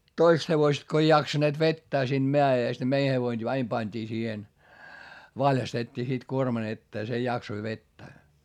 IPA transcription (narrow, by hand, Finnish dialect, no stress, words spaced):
toist heʋoĭst ko ei jɑksɑneːt ʋetːæː siːnd̥ meæeˑst ne mei heʋoin ɑim pɑnʲd̥iː siːhen ʋɑljɑstetʲːiː sit kuormɑn etːeː se jɑksoi ʋetːæː